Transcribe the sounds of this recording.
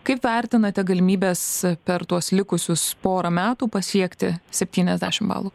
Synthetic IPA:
kɐɪpʋʲɛɾʲt̪ʲɪnɐt̪ʲɛɡɐlʲɪmʲiːbʲeːspʲɛɾt̪uɔslʲɪkʊsʲʊspoːɾɐmʲæːt̪uːpɐsʲiɛkt̪ʲɪsʲɛpʲt̪ʲiːnʲɛzd̪ʲæ̰ːʃʲɪmbɑ̰ːlˠuː

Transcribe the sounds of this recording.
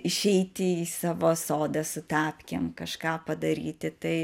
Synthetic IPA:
ɪʃʲɛɪt̪ʲɪiːsɑːʋoːsoːd̪ɐsʊt̪ɑːpʲkʲemkɐʃkɑːpɐd̪ɐɾʲiːt̪ʲɪt̪ɐɪ

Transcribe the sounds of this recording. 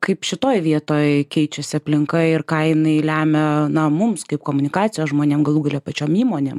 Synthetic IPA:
kɐɪpʃʲɪt̪oːjʋʲiɛt̪oːjkʲɛɪt͡ʃʲɛsʲɪɐpʲlʲɪŋkɐɪɪɾkɐɪnɐɪlʲæːmʲɛnɐmʊmskɐɪpkoːmʊnʲɪkɑːt͡ssʲɪjoːsʒmoːnʲeːmɡɐlˠuːɡɐlʲoːpɐt͡ʃʲoːmiːmoːnʲeːm

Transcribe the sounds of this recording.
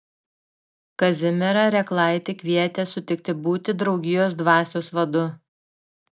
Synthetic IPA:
kɐzʲɪmʲɛɾɑɾʲɛklˠɑˑɪt̪ʲɪkʲʋʲiɛt̪ʲeːsʊt̪ʲɪkt̪ʲɪbuːt̪ʲɪd̪ɾɒʊɡʲɪjoːs̬d̪ʋɑːsʲoːsʋɐd̪ʊ

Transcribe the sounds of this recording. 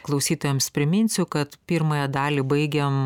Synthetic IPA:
klˠɐʊsʲiːt̪ojɛmspʲɾʲɪmʲɪnʲsʲʊkɐt̪pʲɪːɾmɐjɛd̪ɑːlʲiːbɐɪɡʲɛm

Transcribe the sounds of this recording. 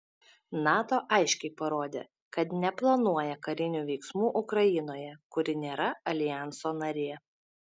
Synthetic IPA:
nɑːt̪oːʔɑɪʃʲkʲɛɪpɐɾoːd̪ʲḛ | kɐt̪nʲɛplˠɐnuɔjɛkɐɾʲɪnʲuːʋʲɛɪksmuːʔʊkɾɐjɪnoːjɛkʊɾʲɪnʲeːɾɐɐlʲɪjɑˑnsoːnɐɾʲeːɛ

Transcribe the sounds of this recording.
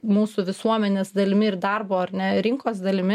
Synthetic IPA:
muːsʊʋʲɪsuɔmʲɛnʲeːsd̪ɐlʲɪmʲɪɪɾd̪ɐrboːɐɾnʲɛɾʲɪŋkoːsd̪ɐlʲɪmʲɪ

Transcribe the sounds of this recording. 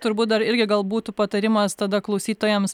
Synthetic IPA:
t̪ʊɾbuːt̪̚d̪ɐɾɪɾʲɡʲɪɡɐlˠbuːt̪ʊpɐt̪ɐɾʲɪmɐst̪ɐd̪ɐklˠɐʊsʲiːt̪oːjɛms

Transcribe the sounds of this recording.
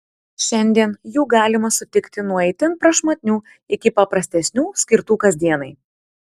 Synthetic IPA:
ʃʲɛnʲd̪ʲiɛnjuːɡɑːlʲɪmɐsʊt̪ʲɪkt̪ʲɪnuɔɛɪt̪ʲɪnpɾɐʃmɐt̪ʲnʲuː | ɪkʲɪpɐpɾɐsʲt̪ʲɛsʲnʲuːsʲkʲɪɾt̪uːkɐzʲd̪ʲiɛnɐɪ

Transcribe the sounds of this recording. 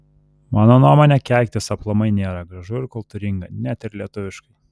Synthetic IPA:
mɑːnoːnuɔmoːnʲɛkʲɛˑlʲkʲt̪ʲɪsɐplˠɐmɐɪnʲeːɾɐɡɾɐʒʊɪɾkʊlˠt̪ʊɾʲɪŋɡɐnʲæt̪ʲɪɾlʲiɛt̪ʊʋʲɪʃkɐɪ

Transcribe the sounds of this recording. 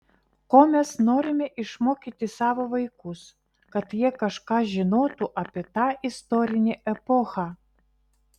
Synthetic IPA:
koːmʲɛsnoːɾʲɪmʲɛʔɪʃmoːkʲit̪ʲɪsɑːʋoʋɐɪkʊs | kɐt̪jiɛkɐʃkɑːʒʲɪnoːt̪uʔɑpʲiɛt̪ɑːʔɪst̪oːɾʲɪnʲeʔɛpoxɑ

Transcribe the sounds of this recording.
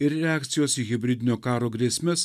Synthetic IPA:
ɪɾɾʲɛɑːk̚t̪sʲɪjoːsiːɣʲɪbʲɾʲɪd̪ʲɪnʲoːkɑːɾoːɡɾʲiɛsʲmʲɛs

